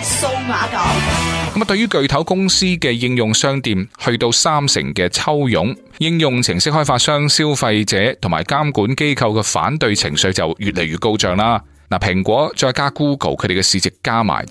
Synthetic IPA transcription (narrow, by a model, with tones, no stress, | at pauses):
so˧wmaː˨˧˥t̪ɐ˨˥kɐ˨˥m˥t̪ɵ˧ɥjɥyː˥kɵ˨˧ɥt̪ʰɐ˨˥wkʊ˥ŋsiː˥kɛː˧jɪ˧ŋjʊ˨ŋsœː˥ŋt̪iː˨mhɵ˧ɥt̪o˧wsaː˥msɪ̰˨˩ŋkɛː˧t͡sʰɐ˥wjʊ˨˥ŋ | jɪ˧ŋjʊ˨ŋt͡sʰɪ˨˩ŋsɪ˥k̚hɔː˥jfaː˧t̚sœː˥ŋsiː˥wfɐ˧jt͡sɛː˨˧t̪ʰʊ˨˩ŋmaː˨˩jkaː˥mkuː˨˥nke˥jkʰɐ˧wkɛː˧fa̰ː˨˥nt̪ɵ˧ɥt͡sʰɪ̰˨˩ŋsɵ˨˧ɥt͡sɐ˨wjyː˨t̚le˨˩jɥyː˨t̚ko˧wt͡sœː˨ŋlaː˧ | naː˨˩pʰɪ˨˩ŋkʷɔː˨˥t͡ʃɔː˧kaː˥kuː˥ko̰˨˩wkʰɵ˨˧˥ɾe˨˩kːɛ˧siː˨˧t͡sɪ˨kːaː˥ma̰ː˨˩j